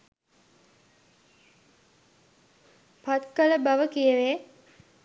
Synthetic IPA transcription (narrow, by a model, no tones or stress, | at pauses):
pat̪kələbaʋəkijəʋe